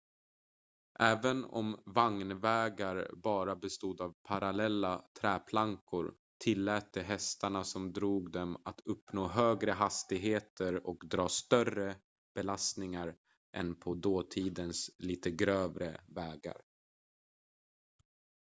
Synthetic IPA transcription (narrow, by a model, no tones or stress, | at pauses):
ʔɛːvənɔ̰mvaŋnvɛːɡaɾbɑːɾabɛst̪uːd̪avpʰaɾalɛlːat̪ʰɾɛːpʰlaŋkʰʊɾ | t̪ʰɪlːɛːt̪ːəɦɛst̪aɳasɔmd̪ɾuːɡd̪ɛmat̪ʰɵpːnoːɦøːɡɾəɦast̪ɪɡɦeːt̪ʰəɾɔkd̪ɾɑːst̪œrə | b̥ɛlast̪nɪŋaɾ | ʔɛ̰npʰɔd̪oːt̪ʰiːd̪ənsliːt̪əɡɾøːvɾəvɛːɡa̰ɾ